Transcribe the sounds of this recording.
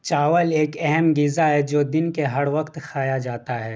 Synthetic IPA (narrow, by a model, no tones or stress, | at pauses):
t͡ʃaːʋəleːkɛɦɛmɡɪzaɦɛd͡ʒoːd̪ɪnkeɦɐɽʋɐqt̪xʰaːjad͡ʒaːt̪aɦɛː